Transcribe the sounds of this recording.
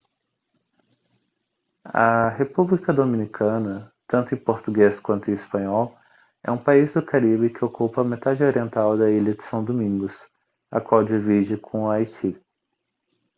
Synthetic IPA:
ɐ̰ɦepublikɐd̪omĩnikʰɐ̃nɐt̪ɐ̃nt̪ʊẽpoɾt̪uɡeskwɐ̃nt̪ʊẽispɐ̃ɲɔw | ɛ̰ũpaizd̪ʊkaɾibɪkɪokupɐːmet̪ad͡ʒɪoɾiẽnt̪awd̪ɐiʎɐd͡ʒɪ̥sɐ̃w̃d̪omĩɡʊs | ɐ̰kwawd͡ʒivid͡ʒɪkʰõajt͡ʃi

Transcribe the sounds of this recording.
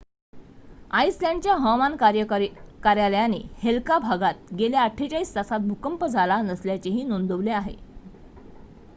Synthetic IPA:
aisljãɳɖt͡ɕjaɦɔ̃mankjkaɾjaljanehelkabʱaɡat̪̚ɡeljaaʈʰːet͡ɕaist̪asat̪̚bʱukəmpəd͡zʱalanəsljat͡ɕeɦiːnond̪əʋleaɦḛ

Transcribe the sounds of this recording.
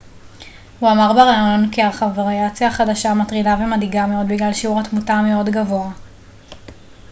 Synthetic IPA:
huamaʁbeʁajo̞nkialχavaʁiat͡sjaχadaʃamatʁidavemadiɡameo̞dbiɡlalʃiuʁatmutame̞o̞dɡavo̞a

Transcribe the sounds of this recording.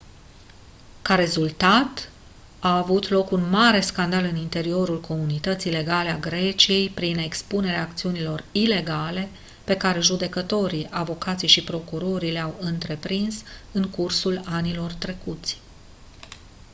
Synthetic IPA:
kaɾe̞zult̪at̪ | aːvut̪lo̞kunmaɾe̞skand̪alɨnint̪e̞ɾio̞ɾulkʰo̞munit̪ət̪siːle̞ɡale̞aɡɾe̞t͡ʃije̞jpɾine̞kspune̞ɾeaːk̚t̪siunilo̞rile̞ɡale̞ | pe̞kaɾe̞ʒud̪e̞kət̪o̞ɾiʔavo̞kat̪sijʃipɾo̞kuɾo̞ɾileawɨnt̪ɾe̞pɾinsɨŋkursulanilo̞rt̪ɾe̞kut̪sʲ

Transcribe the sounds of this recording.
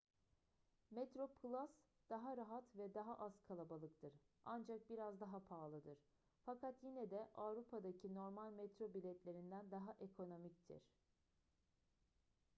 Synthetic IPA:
mɛt̪ɾo̞pʰɯlˠas | d̪̥aɦaɾaɦat̪vɛd̪aɦaʔaz̥kʰalˠabalˠɯkt̪ʰɯɾ | and͡ʒak̚biɾazd̪aɦapʰaːlˠɯd̪ɯɾ̥ | fakʰat̪jinɛd̪ɛʔavɾupʰad̪acʰino̞ɾmalʲmɛt̪ɾo̞bilʲɛt̪lʲe̞ɾind̪ænd̪aɦaʔekʰo̞no̞mict̪ʰḭɾ̥

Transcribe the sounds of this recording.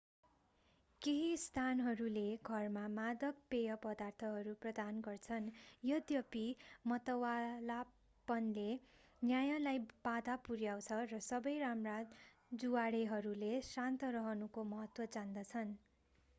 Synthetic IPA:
keɦist̪ʰanɦʌɾuleɡʱʌrmamad̪ʌk̚pejʌpʌd̪art̪ʰʌɦʌɾuprʌd̪anɡʌrt͡sʰʌnjʌd̪jʌpimʌt̪ʌwala | pʌnle | njajalajb̥ad̪apuɾjaw̃t͡sʰʌrʌsʌbʌjramrad | d͡zuwaɽeɦʌɾulesant̪ʌɾʌɦʌnukomʌɦʌt̪wʌd͡zand̪ʌt͡sʰʌn

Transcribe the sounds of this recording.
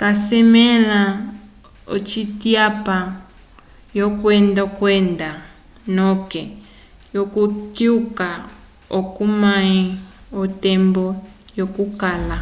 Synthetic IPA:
kasɛmɛla | o̰t͡ʃitiapa | jokwɛndakwɛnda | nɔkɛ | jokukiuka | okumaiotɛmbɔjokukala

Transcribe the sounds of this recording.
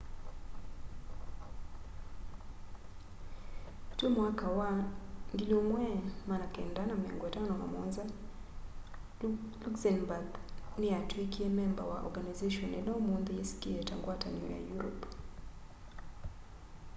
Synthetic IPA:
temwakawaŋɡilomwɛmanakɛndanamiaŋɡɔɛtanɔna̰mɔnza | luksɛnbaɡnɪatwikiemɛmba̰wa̰ʔɔ̰ɾɡanazeʃɔnɛnɛomund̪ieskiɛtaŋɡwata̰niɔ̰ja̰juɾɔp

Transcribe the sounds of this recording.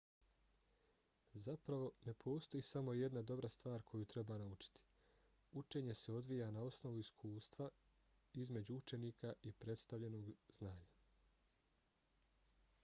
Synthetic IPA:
zapɾaʋo̞nepʰo̞ːst̪o̞jisamo̞je̞d̪nad̪o̞bɾast̪ʋaːɾkʰo̞jut̪ɾe̞banaut͡ʃi̥t̪i̥ | ut͡ʃe̞ːɲe̞se̞o̞d̪ʋijanao̞sno̞ʋuiskʰuːst̪ʋa | izme̞d͡ʑuut͡ʃe̞niːkaʔipɾe̞t̪st̪avʎe̞no̞ːɡznaːɲa

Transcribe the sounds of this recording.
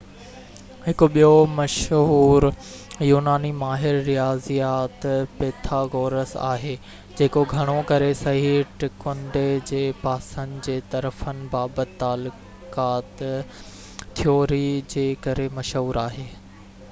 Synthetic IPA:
ɦɪkʊɓijomɐʃɦuːɾ | juːnaːnimaːɦɪɾːijaːzijaːt̪peːt̪ʰaːɡoːɾəsa̰ːɦeː | d͡ʑeːkoɡʱɐɽ̃okɐɾesɐɦiʈɪkʊɳɖed͡ʑeːpaːsənd̪̆d͡ʑeːt̪ɐɾfənɪ̆baːbət̪ːaːlʊ | kaːt̪ | t̪ʰːijoːɾid͡ʑeːkɐɾemɐʃɦuːɾaːɦeː

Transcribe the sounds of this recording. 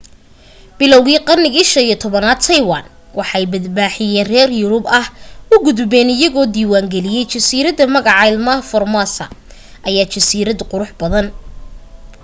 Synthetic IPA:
b̥ɪlɔwɣiːqɑrnɪɣiːʃɐniːɔt̪ʰɔβɐnaːd̪̚t̪ʰɐjwɑːn | wʔɑħɑɛjbɐd̪baːħɪjɛːnrɛːrjʊɾʊbɐhʊɡʊðʊbɛːnɪjɐɣɔːd̪iːwaːŋɡɛlɪjɛjt͡ʃɐsiːɾɐðɐmɐɣɑʕɑɪlmɐfɔrmasɐ̰ʔɐjaːt͡ʃɐsiːɾɐd̪qʊɾʊħbɐðɐn

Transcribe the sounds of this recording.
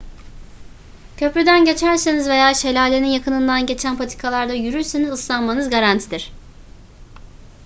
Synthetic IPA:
cʰø̞pɾyd̪ænɟe̞t͡ʃʰæɾsenizve̞jaːʃe̞lʲaːlʲeninjakʰɯnɯnd̪anɟe̞t͡ʃʰænpʰat̪ʰi̥kʰalˠaɾd̪ajyɾyɾsenizɯslˠanmanɯzɡaɾant̪ʰid̪iɾ̥

